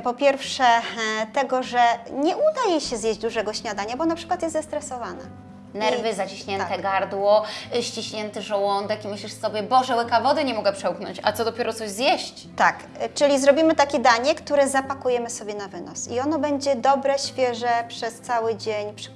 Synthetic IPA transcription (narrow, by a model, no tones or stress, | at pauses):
pɔpʲjɛɾfʂɛt̪ɛɡɔʐɛɲɛud̪ajejɕɛzjeʑd͡ʑd̪uʐɛɡɔɕɲad̪aɲabɔnapʂɘkwat̪jɛst̪zast̪ɾɛsɔvana̰ | nɛɾvɘzat͡ɕiɕɲɛnɛɡaɾd̪wɔɕt͡ɕiɕɲɛnt̪ɘʐɔwɔnd̪ɛkimɘɕlʲiʂsɔbʲjɛbɔʐɛwɘkavɔd̪ɘɲɛmɔɡɛpʂɛuknɔ̰ɲt͡ɕa̰t̪ɔd̪ɔpʲjɛɾɔt̪sɔʑzjɛɕt͡ɕt̪ak | t͡ʂɘlʲizɾɔbʲimɘt̪akʲɛd̪aɲɛkt̪uɾɛzapakujɛmɘsɔbʲjɛnavɘnɔ̰siɔnɔbɛɲd͡ʑɛd̪ɔbɾɛɕfʲjɛʐɛpʂɛst̪sawɘd͡ʑeɲpʂ